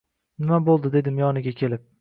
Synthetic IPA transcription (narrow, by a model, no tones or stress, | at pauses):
nɪmabolˠd̪ɪd̪e̞d̪ɪmjɒnɪɡʲakʲʰe̞lɪp̚